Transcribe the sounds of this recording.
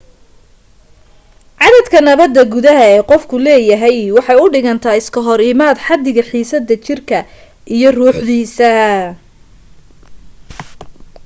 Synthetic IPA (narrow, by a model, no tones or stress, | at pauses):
ʕɑðɐd̪kʰɐnɐβɐd̪ːɐɡʊðɐɦɐɛːqɔfkʰʊlɛːjɐɦɛjwɑħɑjʊɖɪɣɐnt̪ʰaːɪskʰɐɦɔɾɪmaːd̪ħɑd̪ɪɣɐħiːsɐd̪ːɐt͡ʃɪrkʰɐ | ʔijɞruːħd̪iːsɐ